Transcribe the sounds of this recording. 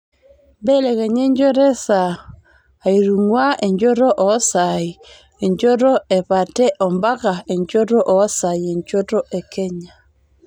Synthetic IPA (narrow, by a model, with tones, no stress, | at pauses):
be˦le˨ke˨ɲe˦ɲd͡ʒo˦ɾe˦saː˨ | i˨ɾu˨ŋwa˦e˨ɲd͡ʒo˦ɾo˦ʔɔ˨˦sa˨i˨ | e˨ɲd͡ʒo˦ɾo˦e˨pa˨tɛ˦ʔɔ˨mba˦ka˨e˨ɲd͡ʒo˦ɾo˦ʔɔ˨˦sa˨i˨e˨ɲd͡ʒo˦ɾo˦ʔe˨kɛ˦ɲa˨